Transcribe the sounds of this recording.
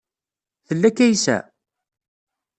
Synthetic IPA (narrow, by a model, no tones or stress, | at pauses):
θəlːækːæjsæ̰